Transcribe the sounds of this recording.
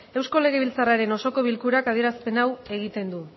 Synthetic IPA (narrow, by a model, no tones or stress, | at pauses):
e̞wsko̞le̞ɣ̞eβilt͡saraɾe̞no̞so̞ko̞β̞ilkuɾakaðie̞ɾaspe̞nawe̞ɣ̞it̪e̞nd̪u